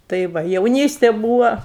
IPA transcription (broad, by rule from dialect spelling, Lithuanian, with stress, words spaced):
tɐɪ ˈʋɐ jɛʊˈnʲiːsʲtʲeː ˈbuːʋɐ